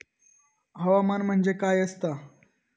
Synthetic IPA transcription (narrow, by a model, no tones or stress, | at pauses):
ɦəʋamanm̤əɳd͡zekajəst̪a